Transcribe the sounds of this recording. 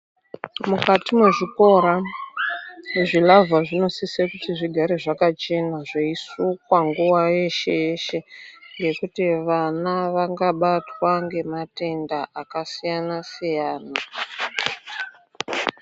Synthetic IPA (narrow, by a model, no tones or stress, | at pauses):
mukatimeʐiko̞ɾa | ʐilavaʐino̞sisekutiʐiɡʱaɾeʐakat͡ʃe̞naʐeisukwaŋɡuwajeʃeeʃe̞ŋɡe̞kutiʋanaʋaŋɡaɓatwaŋɡe̞mate̞ndaʔakasijanasijaːna